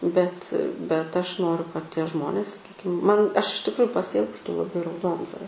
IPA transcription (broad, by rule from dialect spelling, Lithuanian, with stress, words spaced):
bʲɛt bʲɛt ˈɐʃ ˈnoːrʲʊ kɐt ˈtʲiɛ ˈʒmoːnʲeːs sɐˈkʲiːkʲɪm ˈmɐn ˈɐʃ ɪʃ tʲɪkˈrʊjʊ pɐsʲɪˈɪlˠkstʊ lˠɐˈbɐɪ rɐʊˈdoːndʋɐrʲoː